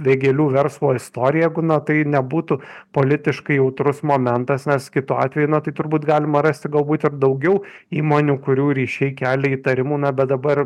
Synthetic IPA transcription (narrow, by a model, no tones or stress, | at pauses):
ʋʲeɡʲɛlʲuːʋʲɛɾslˠoːɪst̪oːɾʲɪjɛjɛɪɡʊnɐt̪ɐɪnʲɛbuːt̪ʊpoːlʲɪt̪ʲɪʃkɐɪjɛʊt̪ɾʊsmoːmʲɛnt̪ɐsnʲɛskʲɪt̪uɑ̰ːt̪ʲʋʲɛjunɐt̪ɐɪt̪ʊɾbuːt̪ɡɑːlʲɪmɐɾɐsʲt̪ʲɪɡɐlˠbuːt̪ɪrd̪ɐʊɡʲɛʊ | iːmoːnʲuːkʊɾʲuːɾʲiːʃʲɛɪkʲæːlʲɛiːt̪ɐɾʲɪmuːnɐbʲɛt̪̚d̪ɐbɐr